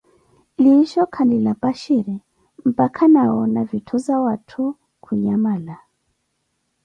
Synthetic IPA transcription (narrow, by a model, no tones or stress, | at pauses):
liʃɔkʰandilapaʃiɾɛ | m̩pakʰanaɔnavitʰuzawatʰu | kʰuɲamala